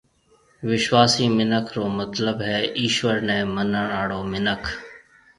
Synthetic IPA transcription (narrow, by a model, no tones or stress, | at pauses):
ʋɪʃʋaːsiːmɪnəkʰɾoːmət̪ləbɦɛːʔiːʃʋəɾnɛ̃ːmənəɳaːɽoːmɪnəkʰ